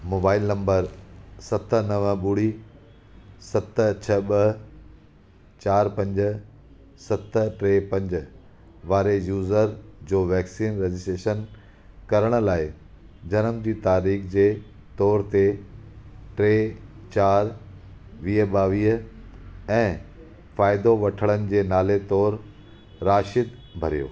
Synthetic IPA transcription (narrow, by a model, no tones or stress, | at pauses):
moːbaːɪlnɐ̃mbəɾsɐt̪ə̆nɐʋəɓʊɽi | sɐt̪̆t͡ɕʰɐɓəɦ | t͡ɕaːɾpɐ̃ɲd͡ʑ̆ | sɐt̪ʈɾeːpɐ̃ɲd͡ʑ | ʋaːɾejuːzəɾd͡ʑoːʋɛːksiːnɾed͡ʑɪsʈeːʃən | kɐɾəɽ̃ʊ̆laːɪ | d͡ʑɐnəmd͡ʑiːt̪aːɾiːxd͡ʑeː | t̪ɔːɾt̪e | ʈɾeːt͡ɕaːɾ | ʋiːɦəɓaːʋiːɦə | ɛ̃ː | faːɪd̪oʋɐʈʰəɭ̃ənɪ̆d͡ʑeːnaːlet̪ɔːɾ | ɾaːʃɪd̪ | bʱɐɾijo̰ː